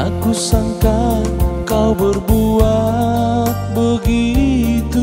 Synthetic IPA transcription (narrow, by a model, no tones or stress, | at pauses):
akusaŋkakawbərbua | t̪̚bəɡit̪u